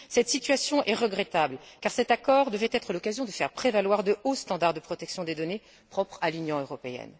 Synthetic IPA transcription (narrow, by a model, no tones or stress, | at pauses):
sɛt̪sit̪ɥasjɔ̃ʔɛʁəɡʁɛt̪ablkaʁsɛt̪akɔʁd̪əvɛt̪ɛt̪χəlɔkazjɔ̃d̪əfɛʁpχevalwaʁd̪əost̪ɑ̃d̪aʁd̪əpχɔt̪ɛksjɔ̃d̪ed̪ɔne | pχɔpχalynjɔ̃øʁɔpeɛ̰n